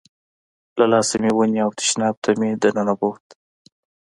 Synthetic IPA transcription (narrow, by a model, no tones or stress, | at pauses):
lalɑsamiwuniawt̪ɪ̥ʃnɑb̚t̪ʰamid̪ənanabot̪